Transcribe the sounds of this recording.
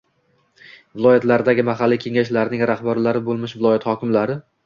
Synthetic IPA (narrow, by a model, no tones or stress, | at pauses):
vɪlˠɒjat̪laɾd̪aɡʲɪmaɦalːikʲʰe̞ŋaʃlaɾnɪŋɾaχbaɾlaɾɪbolˠmɪʃvɪlˠɒjat̪hɒkʲɪmlaɾɪ